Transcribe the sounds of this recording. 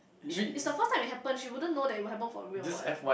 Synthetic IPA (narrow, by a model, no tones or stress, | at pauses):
ʃiɪtsdəfəstʰãɪ̃mɪt̚ɦɛpə̃nʃiwudə̃nːodɛtitwɔhɛpə̃nfɔ̰ɹidisɛfwa